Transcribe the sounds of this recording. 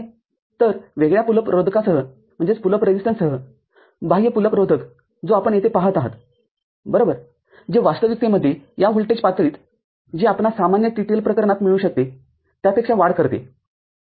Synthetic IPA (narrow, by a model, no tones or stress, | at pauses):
t̪əɾʋeɡɭjapuləpɾod̪ʱkasəɦə | m̤əɳd͡zet͡spuləpɾed͡ʑisʈənsəɦə | bʱaɦijəpuləpɾod̪ʱək | d͡zoapəɳjet̪ʰepaɦət̪aɦə̰t̪ | bəɾobəɾ | d͡ʑeʋast̪əʋit̪eməd̪ʱːjejaɦolʈet͡ɕpat̪ɾiːt̪ | d͡ʑiːapɳasamanjəʈiʈelpɾəkəɾəɳat̪miɭuːɕək̚t̪e | t̪japekʂaʋaɽkəɾt̪ḛ